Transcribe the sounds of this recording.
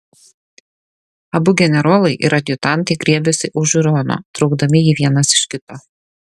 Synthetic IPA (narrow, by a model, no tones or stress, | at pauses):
ɐbʊɡʲɛnʲɛɾoːlˠɐɪʔɪ̰ɾɐd̪ʲjʊt̪ɑˑnˑt̪ɐɪɡɾʲiɛbʲɛsʲɪʔʊʒʊɾoːno̰ːt̪ɾɒʊɡd̪ɐmʲɪjiʋʲiɛnɐsɪ̥ʃkʲɪt̪oː